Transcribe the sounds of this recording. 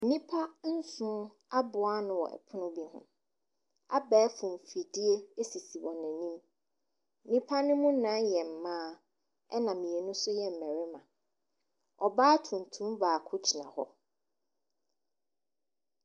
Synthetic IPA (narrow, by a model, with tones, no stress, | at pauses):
n̩˦nĩ˦pʰa˦n̩˦sʊ̃˦ | a˦bʊ˨a˦nʊ̃˨wɔ̰˨ʔɛ̰˨pʰʊ˦nʊ̃˦bi˦ɦʊ̰̃˦ | a˦bɛː˨˦fʊ̃˨m˨fi˨di˦e˦e˦si˨si˨wɔ̃˨næ̃˨nĩ˦m | n̩˦nĩ˦pʰa˦nʊ̃˦mʊ̃˦nã˨˦jɛ˨m̩˨mãː˦ | ɛ˦nã˨mĩ˨e˨nʊ̃˦sʊ˦jɛ˦m̩˨mæ˨ɾɪ˦mã̰˨ | ɔ˨baː˦tʰũ˨n˨tʰũ˦mvaː˨kʰʊ˦t͡ɕʰi˨nã̰˨hɔ̰˦